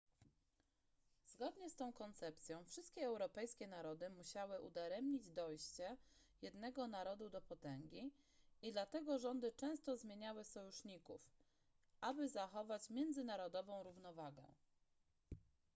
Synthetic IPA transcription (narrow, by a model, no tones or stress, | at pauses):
z̥ɡɔd̪ɲɛst̪ɔ̃w̃kɔnt̪sɛp̚t̪sʲjɔ̃w̃fʂɘst̪̚kʲɛɛwɾɔpɛjskʲɛnaɾɔd̪ɘmuɕawɘʔṵd̪aɾɛmɲid͡ʑd̪ɔjɕt͡ɕɛ | jɛd̪nɛɡɔnaɾɔd̪ud̪ɔpɔt̪ɛŋɡʲi | id̪lat̪ɛɡɔʐɔnd̪ɘt͡ʂɛ̃w̃st̪ɔzmʲjeɲawɘsɔjuʂɲikṵf | ʔabɘzaxɔvat͡ɕmʲjɛnd̪zɘnaɾɔd̪ɔvɔ̃w̃ɾuvnɔvaɡɛ̰̃